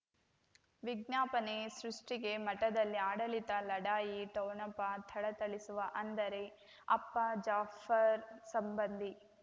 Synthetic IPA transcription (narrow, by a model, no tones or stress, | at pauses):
ʋiɡnjaːpɐnesɾuʂʈiɡe̞mɐʈɐd̪ɐlːiaːɽɐlit̪ɐlɐɽaːjiʈɐwnɐpɐt̪ʰɐɽɐt̪ɐɭisuʋɐʔɐnd̪ɐɾe̞ | ɐpːɐd͡ʒaːfɐɾsɐmbɐnd̪ʱi